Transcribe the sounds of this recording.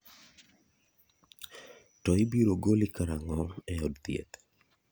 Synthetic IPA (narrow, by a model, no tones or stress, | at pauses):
tɔibiɾoɡolikaɾaŋɔɛɔdt̪jḛt̪